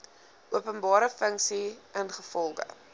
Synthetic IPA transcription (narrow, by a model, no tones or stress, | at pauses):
uəpənbɑːɾəfəŋksiənχəfɔlˠɡə̰